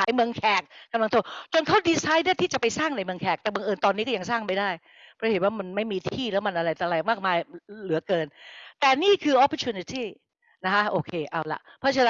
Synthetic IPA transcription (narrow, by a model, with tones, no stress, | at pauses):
aː˨˩˦jmɯ˧əŋkʰɛː˨˩k̚kːa˧mla˧ŋt̪ʰoː˧˩t͡ɕo˧nkʰa˦˥˩wdiː˧saː˦˥jdɯ˥˩t̪ʰiː˥t͡ɕa˨˩pa˧jsaː˥˩ŋna˧jmɯ˧əŋkʰɛː˨˩k̚t̪ɛː˨˩mɯ˧ŋʔɤː˧nt̪ɔː˧niː˦˥kɔ˥˩a˧ŋsaː˥˩ŋma˥˩jdaː˥˩j | pʰɔ˥˦he˨˩˦nwaː˥˩ma˧nma˥˩jmiː˧t̪ʰiː˥˩lɛː˦˥wma˧nʔa˧ɾa˧jt̪ʰːɾa˧jmaː˥˩k̚maː˧jlɯ˩˦ɐkɤː˧nt̪ɛː˨˩niː˥˩kʰɯː˧ʔɔ˦˥pʰɔː˧˥t͡ɕʰuː˧ni˧˥t̪ʰiː˥˩ | na˦˥kʰa˦˥ʔoː˧˩kʰeː˧ʔa˧˩wla̰˧˩ʔpʰɔː˥˩t͡ɕʰː